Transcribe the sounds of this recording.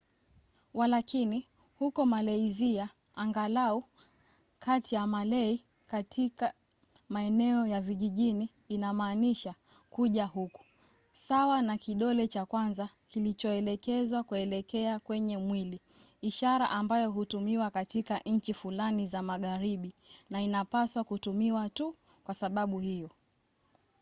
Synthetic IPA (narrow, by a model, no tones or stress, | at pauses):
walakini | hukɔmalɛizia | aŋɡalau | kʰatijamalɛi | katika | maɛnɛɔjaviʄiʄiniːnamaːniʃa | kuʄahuku̥ | sawanakiɗɔlɛt͡ʃakwanza | kilit͡ʃɔɛlɛkɛzwakuɛlɛkɛakwɛɲɛmwili | iʃaɾa̰ʔambajɔɦutumiwakatikaʔɲ̩t͡ʃifulanizamaɠaɾiɓinainapaswakutumiwatu | kwasaɓaɓuhijɔ